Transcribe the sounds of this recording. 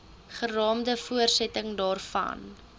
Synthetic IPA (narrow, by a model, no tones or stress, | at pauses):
χərɑːmdəfuərsɛtəŋdɑːrfɐ̰n